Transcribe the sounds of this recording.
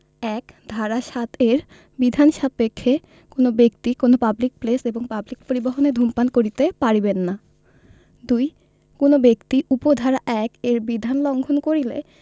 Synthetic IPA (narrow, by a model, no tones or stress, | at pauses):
ɛkd̪ʱaɾaʃat̪ʰeɾ | bid̪ʱanʃapekʰːe | konobek̚t̪ikonopablik̚pleseboŋpablik̚poɾiboɦoned̪ʱumpankoɾit̪epaɾibenːa | d̪uj | konobekt̪iʔupod̪ʱaɾaʔɛkeɾbid̪ʱanlɔŋɡʱonkoɾile